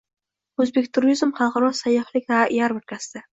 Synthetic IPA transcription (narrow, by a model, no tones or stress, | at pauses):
ɵzbe̞kʲt̪ʰʊɾizmχɑlˠqɑɾɒsajːɒhlɪkʲvaʔjaɾbʊɾkʲʰasɪd̪a